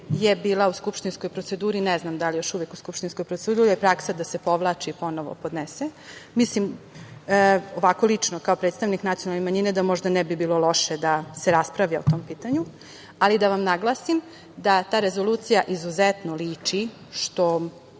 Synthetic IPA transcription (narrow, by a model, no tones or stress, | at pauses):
jebiːlˠauskupʃt̪insko̞jpɾot̪se̞d̪uːɾinɛznamd̪alijo̞ʃuʋekuskupʃt̪insko̞jpɾot̪ed̪uɾuɾiepɾaksad̪ase̞po̞ʋlˠaːt͡ʃiipo̞noʋo̰pod̪nesemislim | oʋakolit͡ʂnokaopɾet̪st̪aʋniknat̪ijonalnemaɲined̪amoʒd̪anɛbibiːlˠo̞lo̞ʃed̪aseɾaspɾaʋjaot̪o̞mpiːt̪aɲu | alid̪aʋamnaɡlˠaːsim | d̪at̪aːɾe̞zoluːt̪sijaʔizuzet̪noliːt͡ʂi | ʃt̪o